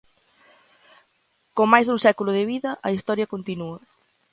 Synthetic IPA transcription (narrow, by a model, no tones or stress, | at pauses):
komajzðuŋsɛkulʊðɪβiðɐʔɐist̪ɔɾjɐkont̪inuɐ